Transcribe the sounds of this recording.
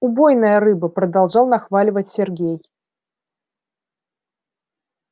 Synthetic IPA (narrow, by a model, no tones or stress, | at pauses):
ubojnəjəɾɨbɨpɾɐd̪alˠʐɑlˠnaxvalʲɪvət͡sʲsʲɛrɡʲej